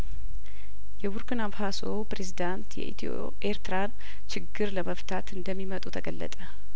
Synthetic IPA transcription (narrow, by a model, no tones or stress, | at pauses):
jɛwuɾkɨnabhasopɾe̞zid̪ant̪jɛ̰ḭt̪ | ʔeɾt̪ʰɨɾan | t͡ʃʰɪɡːɨɾləməft̪ʰat̪ɨnd̪əmːimət̪ʼut̪ʰəɡəlːə̰t̪ʼə